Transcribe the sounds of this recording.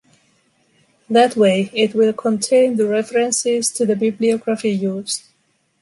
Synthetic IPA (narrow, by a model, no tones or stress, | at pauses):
ðɨtweɪɪt̚wɪlˠkʰə̃ntʰẽɪ̃nðəɹɛfəɹɨ̃nsɪz̥tʰɨðɨbɪbliɔɡɹəfijuz̥